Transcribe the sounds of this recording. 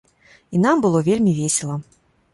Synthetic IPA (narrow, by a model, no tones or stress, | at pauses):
in̪ambɨlˠɔvʲelʲmʲivʲesʲɛlˠɐ